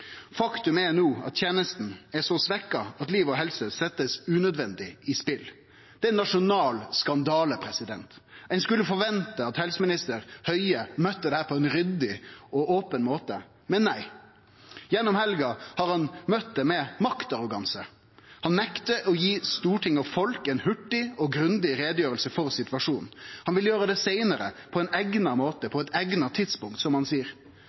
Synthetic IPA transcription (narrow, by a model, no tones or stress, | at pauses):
fɑkt̪ʉmɛnuːɑ̰t̪t̪ʰjɛːnəst̪n̩ɛsɔsʋɛkːɑɑt̪liːʋɔɦɛlsəsɛt̪ːəsʉːnœd̪ʋɛnd̪ɪɪspɪl | d̪̥ɛnːɑʂʊnɑːlskɑnd̪ɑːləpʰɾɛsɪd̪ɛnt̪æɪnskʉlːəfɔɾʋɛnt̪əɑt̪hɛlsəmɪnɪst̪əɾhœʏəmœt̪ːəd̪ɛhæːpʰɔɛnɾʏd̪ɪɔʔoːpənmoːt̪ə | mɛnːæɪ | jɛnːɔmhɛlɡɑhɑɾhɑnmœt̪̚d̪ɛmɛmɑkt̪ɑɾʊɡɑnsə | hɑnmɛkt̪əʔɔjiːst̪uːʈʰɪŋːɑʋfɔlkɛnhʉʈːɪɔɡɾʉnd̪ɪɾeːd̪jøːɾəlsəfɔɾsɪt̪ʋɑʂuːnhɑnʋɪljøːɾəd̪ɛsæɪnəɾə̰pʰɔɛnæɡnɑmoːt̪əpʰɔɛt̪æɡnɑt̪ʰɪd̪spʊŋk̚t̪sɔmhɑnsiːəɾ